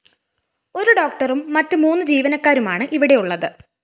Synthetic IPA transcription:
o̞ɾuɖo̞ːk̚ʈɐrumːɐtːɨmuːnːɨd͡ʑiːʋɐnɐkːaːɾumaːɳɨʔiʋiɽe̞juɭːɐðɨ

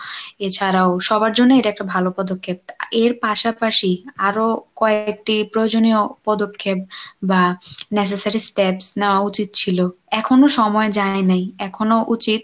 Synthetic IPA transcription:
et͡ɕʰaɾaoʃɔbaɾd͡ʑonːeeʈɛk̚ʈabʱalopɔd̪okʰːep̚eɾpaʃapaʃiaɾokɔek̚ʈipɾood͡ʑoniopɔd̪okʰːep̚banes̬esaɾisʈepsnaaut͡ɕit̪̚t͡ɕʰilo | ɛkʰonoʃɔmɔed͡ʑaenajɛkʰonoʔut͡ɕit̪̚

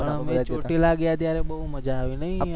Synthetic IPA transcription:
pəɳ̃əmẽt͡ʃoʈilaɡjat̪jaɾebəɦuməd͡ʒaːʋinəɦi

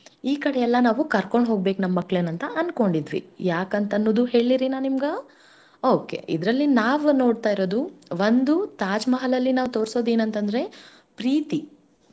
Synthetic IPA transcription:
iːkɐɽɛjɛlːɐnaːʋukɐɾko̞ɳɖɦo̞ːɡ̚be̞ːknɐmːɐkːɭeːnɐnt̪ɐʔɐnko̞ɳɖid̪ʋḭjaːkɐnt̪ɐnːoːd̪uɦe̞ːɭiɾinaːnimɡɐ | oːke̞̰ʔḭd̪ɾɐlːinaːʋno̞ːɽt̪aːjiɾoːd̪uʋɐnd̪ut̪aːd͡ʒmɐɦɐlɐlːinaːʋt̪o̞ːɾso̞ːd̪eːnɐnt̪ɐnd̪ɾe̞ | pɾiːt̪i

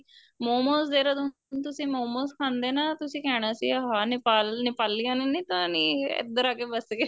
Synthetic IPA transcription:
moːmõːsd̪eːɾaːd̪ʊ | nt̪ʊsĩːmoːmõːskʰãːnd̪eːnaːt̪ʊsĩːkɛːɽ̃aːsḭːəɦaːnɪpaːlnɪpaːlijãːneːnĩːt̪ʊaːniːɪ̰d̪əɾaːkeːbəske

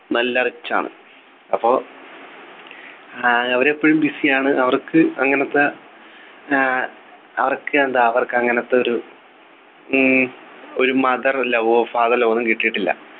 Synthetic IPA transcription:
nɐlːɐɐrit͡ɕːa̰ːɳɨ̰ | ɐpːo̞ː | ɐʋɐɾepːoɻumbisijaːɳɨʔɐʋɐrkːɨɐŋːɐnɐt̪ːe | ɐ̰ʋɐrkːɨend̪aɐʋɐrkɨɐŋːɐnɐt̪ːeoɾu | o̞ɾumɐðɐrlɐʋoːfaːðɐlo̞ːnːumkiʈːijiʈːilːɐ̰

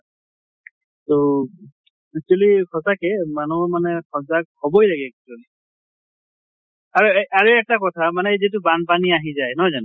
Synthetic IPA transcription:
to | kituɔlikʰɔsakɛmanumanɛkʰɔzakhɔbɔjlaɡɛkituɔli | aɹuʔaɹuɛk̚takɔtʰamanɛzit̬ubanpaniaɦĩzajnɔɦɔzanʊ

